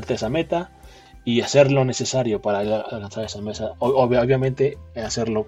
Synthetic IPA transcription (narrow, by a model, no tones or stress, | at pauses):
aɾt̪eesame̞t̪a | iase̞ɾlo̞ne̞se̞saɾjo̞paɾaalkansaɾesame̞saoββjamẽ̞nt̪e̞ase̞ɾlo